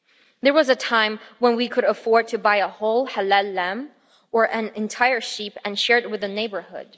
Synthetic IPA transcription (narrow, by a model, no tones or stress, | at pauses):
ðə˞wʌzɨtʰãɪ̃mwə̃nwikʰɨɾəfɔɹd̚tʰɨbaɪəhoʊlˠhəlɛlːæ̃m | ə˞ʔɨ̃nɨ̃ntʰaɪə˞ʃipɨ̃nʃɛɹt̚wɨðɨneɪbə˞hʊ̰d̥̚